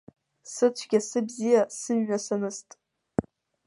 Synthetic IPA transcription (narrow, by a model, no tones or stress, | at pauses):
sɨt͡ɕʷʰɡʲasɨbzijasɨɥːasanɨstʼ